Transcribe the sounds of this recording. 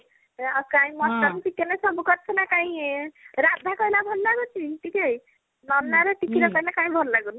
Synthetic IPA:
akaĩmɔstakitikːenasɔbukɔɾt͡ʃʰnakãĩɾad̪ʱakʌilabʱɔllaɡut͡ʃʰiʈʰikej | nɔnaɾɔʈikiɾɔkʌilakaĩbʱɔllaɡun

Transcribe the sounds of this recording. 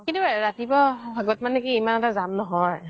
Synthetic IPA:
kintuaɹatibɔbʱaɡɔtmanɛkiːmanɛtazamnɔɦɔj

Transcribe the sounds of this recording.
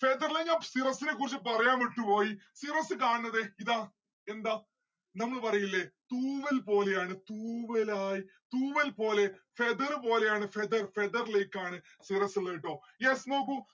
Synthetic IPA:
fed̪ɐrleɲaːsirɐsːinekːurit͡ɕːɨpɐrɐjaːmiʈːupo̞ːjisirɐsɨkaːɳɨnːɐðeiðaː | end̪aː | nɐmːɐɭpɐrɐjilːet̪uːʋɐlpo̞ːle̞jaːɳɨt̪uːʋɐlaːjit̪uːʋɐlpo̞ːle̞fed̪ɐrɨpo̞ːle̞jaːɳɨfed̪ɐrfed̪ɐrleːkːaːɳɨ | sirɐsileːiʈːo̞ː | jesno̞ːk̬ːu

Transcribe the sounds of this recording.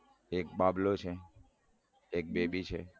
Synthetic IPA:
ekbablot͡ʃʰe | ek̚bebit͡ʃʰḛ

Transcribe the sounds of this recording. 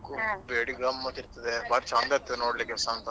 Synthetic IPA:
kubeɽiɡɐmːɐt̪ːiɾt̪ɐd̪ebaːɾt͡ʃaːnd̪ɐɾt̪ːɐnoːɽlikɛsaːnt̪ɐ

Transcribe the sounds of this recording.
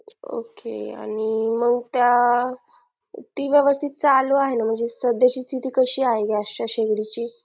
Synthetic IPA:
o̰kḛa̰ɽ̃iməɡt̪ja | t̪iːʋjəʋəst̪ʰit̪̚t͡saluaɦenam̤əɳd͡zesəd̪jaɕiːt͡sit̪iːkəɕiːaɦeɡast͡ɕaɕeɡɽit͡ɕiː

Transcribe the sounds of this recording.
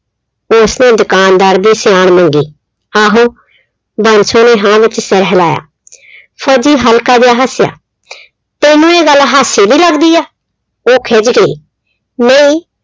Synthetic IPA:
osnẽːd̪ʊkaːnd̪aːɾd̪iːsɪjaːɳmə̃ŋɡiː | aːɦuː | bãːnsõːneːɦãːʋɪt͡ʃsəɾɦlaːja̰ː | pʰoːd͡ʒiːɦəlkaːd̪jaːɦəsɪja̰ː | t̪eːnũːeːɡəlɦaːsiːd̪iːləɡd̪iːaː | oːkʰeːd͡ʒɡəḭː | nəĩː

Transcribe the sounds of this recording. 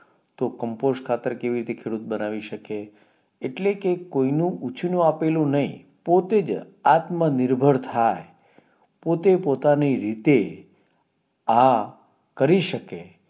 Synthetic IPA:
t̪okəmposkʰat̪əɾkeʋiɾit̪ekʰeɽut̪̚bənaʋiʃəkeː | ʈlekekoinũʔut͡ʃʰnũapelũnəɦḭ̃ | pot̪ed͡ʒ | at̪mənɪɾbʱəɽt̪ʰae | pot̪epot̪aniɾit̪e | ã | kəɾiʃəke

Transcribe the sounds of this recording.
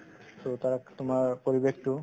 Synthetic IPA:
t̪ot̪aɾakt̪omaɾpoɾibekʈu

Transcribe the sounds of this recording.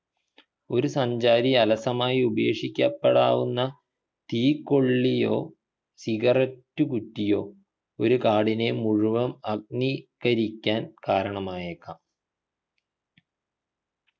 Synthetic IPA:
o̞ɾusɐɲd͡ʑaːɾiɐlɐsɐmaːjiubɐjeːʂikʲːɐpːeɽaːʋunːɐ | t̪iːkːo̞ɭːijo̞̰ː | siɣɐrɐtːukutːijo̞ː | oɾukaːɽine̞muɻuʋɐmɐɡ̚nikɐɾikʲːaːnkaːɾɐɳɐmaːjekːɐ

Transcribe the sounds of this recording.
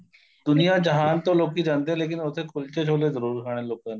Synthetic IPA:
d̪ʊnijad͡ʒəɦaːnt̪õloːkid͡ʒãːnd̪eɦɛ̃leːk̬ɪnʊt̪ʰekʰʊlt͡ʃet͡ʃʰoːlezəɾuːɾkʰaːɽ̃ẽloːkãːne

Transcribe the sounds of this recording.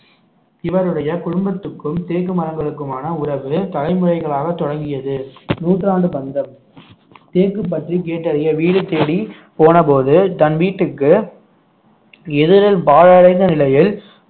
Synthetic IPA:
ɪʋɐɾɯɽɐjɐkʊɻʊmbɐt̪ːɯkːɯmt̪eːkːɯmɐɾɐŋɡɐɭɯkːɯmaːnɐʊɾɐʋɯt̪ɐlɐɪmɯrɐɪɣɐɭaːɣɐt̪ːɔɽɐŋɡɪjɐðɯnuːʈraːɳɖɯbɐnd̪ɐm | t̪eːkːɯp̬ːɐʈrikeːʈːɐɾɐjɐʋiːɽɯt̪ːeːɽi | poːnɐpoːðɯt̪ɐnʋiːʈːɯkːɯ | ɛðɪɾɐlpaːɻɐɽɐɪnd̪ɐnɪlɐjɪl

